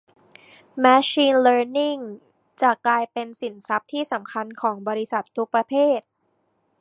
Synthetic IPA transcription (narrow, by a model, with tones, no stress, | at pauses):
mɛː˦˥ɕiː˧nlɤː˧˥ni˥˩ŋ | t͡ɕa˨˩klaː˧jpe˧nsi˨˩˦nsa˦˥p̚t̪ʰiː˥˩sa˩˦mkʰa˧nkʰɔː˩˦ŋbɔː˧ɾi˦˥sa˨˩t̪ʰːu˦˥k̚pɾa˧pʰeː˥˩t̪̚